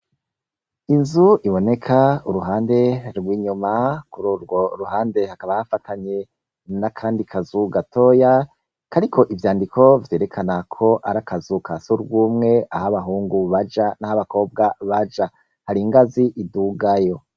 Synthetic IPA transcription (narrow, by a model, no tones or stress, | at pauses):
inzuʔiβo̞ne̞kʰauɾuɦaːnde̞ɾɡwiːɲumakuɾuːɾɡo̞ɾuhaːnde̞hakaβahafatʰaɲe̞ | nakʰaːndikʰazuɡato̞ja | kaɾikʰo̞ʔivjaːndikʰo̞vje̞ːɾe̞kʰanakʰo̞ʔaɾakazukasuɾɡuːmŋe̞ahaβaɦuːŋɡuβad͡ʒanahaβako̞ːb̚ɡaβad͡ʒa | haɾiŋɡaziʔiduɡajo̞